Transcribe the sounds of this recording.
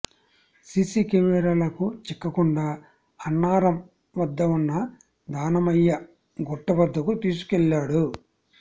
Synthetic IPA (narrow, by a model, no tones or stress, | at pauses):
siːsikemɛɾalɐkut͡ʃɛkːɐkuɳɖaː | ɐnːaːɾɐm | ʋɐd̪ːɐʋunːɐ | d̪aːnɐmɐjːɐ | ɡɔʈːɐbɐd̪ːɐkut̪iːs̬u̥kɛlːaːɽu